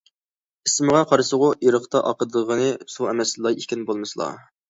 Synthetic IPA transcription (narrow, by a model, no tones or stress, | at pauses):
ismɨʁɑqʰɑɾsəʁʊiɾəχt̪ɑʔɑqəd̪ʁənɨsuɛmɛslˠɑikʲinbolˠmɨsɨlˠɑ̰